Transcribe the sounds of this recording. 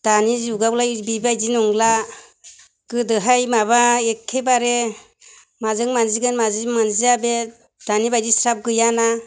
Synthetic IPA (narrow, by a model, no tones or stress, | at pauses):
d̥anizuɡawlajbibajd͡ʒinɔŋla | kɯdɯɦajmaβaekʰːebaɾe | mazɯŋmanziɡɯnmazimanziabe | d̥anibajdisap̚ɡɯjana